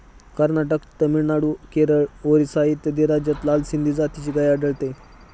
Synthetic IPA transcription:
kəɾnaʈəkt̪əmiɭnaɽukeɾəɭoɾisait̪jəd̪iɾad͡ʑjət̪lalsind̪ʱiːd͡zat̪ʰit͡ɕiːɡajaɖəɭt̪e

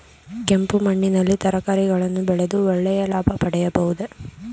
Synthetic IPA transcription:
kempumɐɳːinɐlːit̪ɐɾɐkaːɾiɡɐɭɐnːubɛɭed̪uɔɭːɛjɐlaːbʱɐpɐɽɛjɐbɐʋud̪e

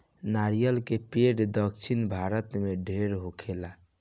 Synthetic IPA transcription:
naɾijəlkepeɖd̪əkt͡ʃʰinbʱaɾət̪meɖʱeɾɦokʰela

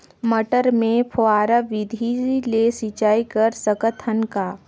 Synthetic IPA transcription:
məʈəɾmẽpʰoaːɾaʋɪd̪ʱilesit͡ʃaːikəɾsəkət̪ʰːənkaː

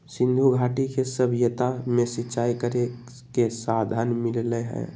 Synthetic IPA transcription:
sĩnd̪ʱuɡʱaʈikesəbʱjət̪amesitːt͡ʃaikəɾe | kesad̪ʱanmillɛɦɛ̰

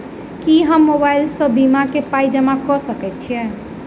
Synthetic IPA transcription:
kiɦəmːobailsə̃bimakepaid͡ʒəmakɔsəkɛt̪̚t͡ʃʰijɛ

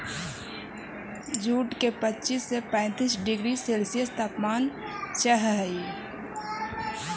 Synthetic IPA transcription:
d͡ʒuːʈkepətːt͡ʃisːepɛ̃ːt̪iːsɖɪɡɾiselsijəst̪ʰaːpmaːn | t͡ʃəɦɦi

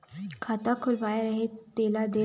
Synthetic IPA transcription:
kʰat̪akʰulʋajaɾəɦet̪ːelad̪e

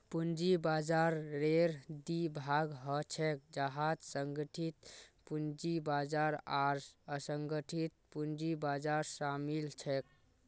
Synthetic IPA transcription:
pund͡ʒibad͡ʒaɾːeɾd̪ibʱaɡɦət͡ʃʰɛk̚d͡ʒəɦad͡ʒsəŋɡəʈʰit̪̚pund͡ʒibad͡ʒaɾaɾsəsəŋɡəʈʰit̪̚pund͡ʒibad͡ʒaɾsamilt͡ʃʰɛk̚

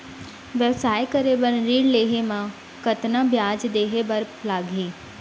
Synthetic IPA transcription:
ʋəʋsaːjkəɾebəɾɾiːɽleːɦemã | kət̪nãːbjaːd͡ʒd̪eːɦebəɾplaːɡʱiː

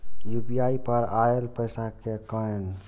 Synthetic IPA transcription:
jubijaːipəɾaelpəjsakekən

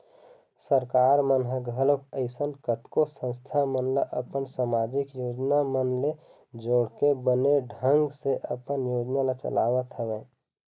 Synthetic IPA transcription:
səɾkaːɾmənɦəɡʱələkəɪsənkət̪kosə̃nst̪ʰamənlaʔəpənsaːmad͡ʒɪkjoːd͡ʒnamənle | d͡ʒoːɽkebəneɖʱə̃ŋɡseʔə̰pənjoːd͡ʒnalat͡ʃə̰lawət̪ɦəʋẽː

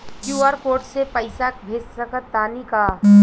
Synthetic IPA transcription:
kjuːaːɾpoːɾʈsepəɪsakbʱeːssɐkət̪ːaːnikaː

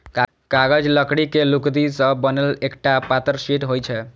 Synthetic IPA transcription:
k | kaɡəd͡ʒləkɽikelukd̪isə̃bənelekʈapat̪əɾsiʈɦojt͡ʃʰɛ

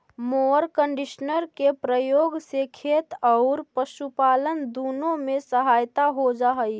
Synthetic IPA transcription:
moəɾkəɳɖiʃnəɾkepɾəjoːɡsekʰet̪ɔʊɾpəʃupaːlənd̪uːnõmẽsəɦaːjt̪aɦod͡ʒaɦəi

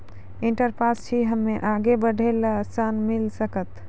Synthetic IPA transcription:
iɳʈəɾpʰast͡ʃʰiɦəmːeʔaɡebəɖʱelsanmilsəkət̪

